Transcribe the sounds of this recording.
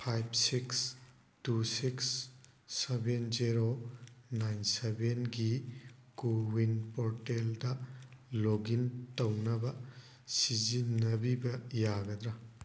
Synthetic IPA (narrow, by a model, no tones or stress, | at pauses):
pʰajbsiks | tusiksː | ebenziɾonajnsebenɡikuwinpoɾteldɐloɡintɐwnɐbɐ | sizinɐbibɐjaɡɐd̪ɾa